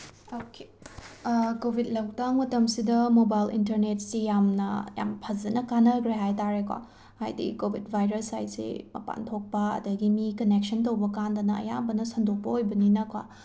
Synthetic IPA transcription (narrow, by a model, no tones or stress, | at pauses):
oke | kobʱit̚lɐwtak̚mɐtɐmsidɐmobajlḭntɐɾnet̚sijamnɐ̰ja̰mpʰɐzɐnɐkanɐkɾeɦajtaɾekwa̰ | ha̰jdḭkobʱitbʱajɾɐsajsḛmɐ̰pa̰ntʰok̚pɐɐ̰dɐɡimikɐnek̚sɐntɐwbɐkandɐnɐɐ̰ja̰bɐnɐsɐndok̚pɐojbɐninɐkwa̰